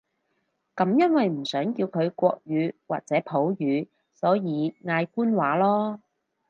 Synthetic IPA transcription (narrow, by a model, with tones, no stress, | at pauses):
kɐ˨˥mjɐ˥nwɐ˨jm̩˨˩sœː˨˥ŋkiː˧wkʰɵ˨˧ɥkʷɔː˧k̚jyː˨˧waː˨k̚t͡sɛː˨˥pʰo˨˥wjyː˨˧ | sɔː˨˥jiː˨˧ŋaː˧jkuː˥nwaː˨˥lɔː˥